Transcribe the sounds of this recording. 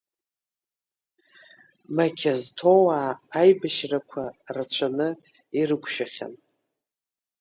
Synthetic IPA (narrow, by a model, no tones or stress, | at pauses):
makʲʰaztʰo̞waːjbaʃrakʷʰarat͡ɕʷʰanɨ | irɨkʷʃᶣaχʲa̰n